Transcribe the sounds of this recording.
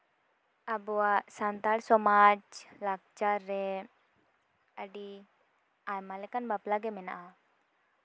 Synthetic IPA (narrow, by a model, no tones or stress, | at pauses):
abɔwaʔsant̪aɽsɔmad͡ʒlaɡ̚t͡ʃaɾːɛ | əɖi | ajmalɛkanbaplaɡɛmɛna̰ʔa